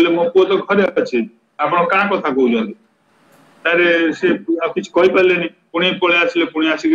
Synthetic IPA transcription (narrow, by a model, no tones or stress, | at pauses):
lemõpuot̪ɔɡʱɔɾet͡ʃʰi | ap̬ɽ̃õkãːkɔt̪ʰakɔɦud͡ʒɔ̃ːnd̪i | t̪aɾeseakit͡ʃʰu̥kɔɦipalenĩpuɽ̃ipɔɭeasilepuɽ̃iasik